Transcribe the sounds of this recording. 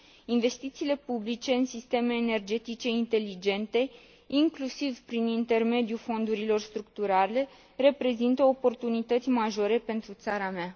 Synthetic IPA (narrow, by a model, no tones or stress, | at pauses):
inve̞st̪it̪siːle̞publit͡ʃe̞ɨnsist̪e̞me̞ːne̞rd͡ʒe̞t̪it͡ʃe̞int̪e̞lid͡ʒe̞nt̪e̞ | iŋklusivpɾinint̪e̞rme̞d̪julfo̞nd̪uɾilo̞rst̪ɾuk̚t̪uɾale̞ | re̞pɾe̞zint̪əopo̞rt̪unit̪ət̪sʲmaʒo̞ɾe̞pe̞nt̪ɾut̪saɾamea